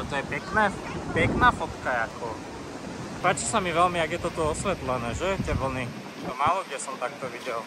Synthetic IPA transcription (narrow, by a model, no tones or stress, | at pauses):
t̪ɔjɛpɛknɛː | pɛknaːfɔt̪kajakʰɔ | paːt͡ʃisamiʋɛlmiaɡjɛt̪ɔt̪uɔsʋɛt̪lɛnɛːʒɛjɛcɛʋl̩ni | t̪ɔmaːlɔɡjɛsɔmt̪ak̚t̪ɔʋiɟɛl